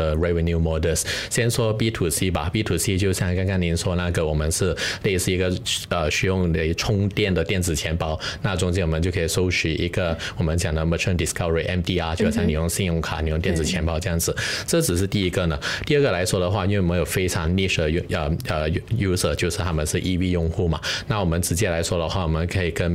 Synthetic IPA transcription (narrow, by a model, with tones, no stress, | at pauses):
ə˧ɹɛ˧˥wə˧nju˥˧mɔ˧˥d̪ə˥˩sɕjɛ˥nʂwɔ˥pi˥t̪ʰu˨˩si˥ba˨pi˥˩t̪ʰu˨˩si˥t͡ɕjo˥˧ʊɕjɑ˥˧ŋka˥ka˥ni˧˥nʂwɔ˥na˥˩ɡə˩wɔ˨˩mə˦nʂɻ̩˥˧le˥˧ɪsɹ̩˥˩i˧˥ɡə˧ə˧ɕy˧˥jʊ˥˩ŋne˧˥ɪʈ͡ʂʰʊ˥ŋt̪jɛ˥˩nd̪ə˩t̪jɛ˥˩nt͡sɹ̩˨˩t͡ɕʰjɛ˧˥npɑ˥ʊna˥˧t͡sʊ˥ŋt͡ɕjɛ˥nwɔ˨˩mə˧˦t͡ɕo˥˩ʊkʰi˨˩ʂo˥ʊɕy˧˥ʔi˧˥ɡə˧wɔ˨˩mə˦nt͡ɕjɑ˨˩ŋd̪ə˦˩mə˧˩ʈ͡ʂʰə˥˧nd̪i˨˩skɐ˥və˨˩i˨˩ʔɛ˧˥nd̪i˥a˥t͡ɕo˥˧ʂjni˨˩jʊ˥˧ŋɕi˥˧njʊ˥˩ŋkʰa̰˨˩ni˨jʊ˥˧t̪jɛ˥˩nt͡sɹ̩˨˩t͡ɕʰjɛ˧˥npɑ˥˧ʊʈ͡ʂɤ˥˧jɑ˥˩ŋd͡zɹ̩˩ʈ͡ʂɤ˥˩ʈ͡ʂɻ̩˨˩ʂ̬ɻ̩˥˧t̪i˥˩i˧˥ɡə˧nə˩˨t̪i˥˧ə˥˩ɡə˩la˧˥ɪʂwɔ˥d̪ə˨xwa˥˧i˥nwe˥˩wɔ˨m˧˦˥jo˨˩fe˥ɪʈ͡ʂʰɑ˧˥ŋni˥˩ʂd̪ə˨˩˧ə˧˩ə˩ju˥sə˩t͡ɕjo˥˧ʊʂɻ̩˥˩t̪ʰa˥mə˧˨nʂɻ̩˥˧ʔi˥˧pi˥˧jʊ˥˧ŋxu˥˩mɐ̰˩na˥˩wɔ˨˩mə˦nʈ͡ʂɻ̩˧˥t͡ɕjɛ˥˩la˧˥ɪʂwɔ˥d̪ə˨xwa˥˩wɔ˨˩mə˧˦nkʰə˧˥i˨˩kə˦˥n